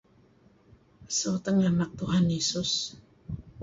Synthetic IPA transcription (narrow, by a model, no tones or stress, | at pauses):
sot̪əŋanak̚t̪uɦanjesʊs